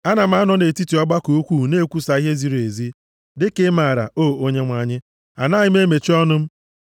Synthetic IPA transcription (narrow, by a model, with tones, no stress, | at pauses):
a˦na˨m̩˦a˦nɔ˦ne˨ti˦ti˨ɔ˦ɡ͡ba˦ko˨o˦kʷu˦˨ne˦kʷu˦sa˨i˦ɦe˦zi˨ɾe˨zi˦ | dɪ˦ke˦ma˨ɾa̰˨o˦˨o˦ɲe˦ŋʷa˨˦˨ɲɪ˦ | a̰˨na˦ɲɪ˦m˦e˦me˨t͡ʃi˦ɔ˦nʊ˦m̩˦